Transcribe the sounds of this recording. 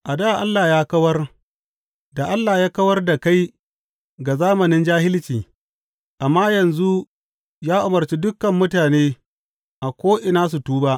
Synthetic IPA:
ʔa˨daː˦˨ʔa˦lːaː˨jaː˦kɐ˦wɐ˦r | da˨ʔa˦lːa˨jaː˦kɐ˦wɐ˦rda˨ka˦j | ɡa˨zaː˦mɐ˨nɪ˦nd͡ʒaː˦hɪ˦lt͡ʃiː˨ | ʔa˨mːaː˦jɐ˨nzu˦ | jaː˦ʔʊ˨mɐ˨rt͡ʃiː˦dʊ˦kːɐ˨mːʊ˦taː˨neː˦ | ʔa˨kʷoː˦ʔɪ˨naː˦s̬u˨tuː˦baː˦ʔ

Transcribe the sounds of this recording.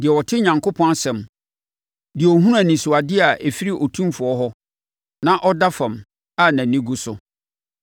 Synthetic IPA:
dɪ˨ɛ˨wɔ˨tʰɪ˦ɲã˨ŋko˦pʰɔ̃˦n˦sɛ̃˨m | dɪ˨ɛ˨ɔ˨ɦũ˦ɾ̃ũ˦a˨nĩ˨sʊ˨a˨dɪ˦a˨ʔe˨fi˦ɾi˦ʔɔ˨tʰũ˦mfʊ˨ɔ˦ɦɔ˦ | nã˦ʔɔ˦da˦fã˨m | a˦˨næ̃˨nĩ˦ɡu˦sʊ˨

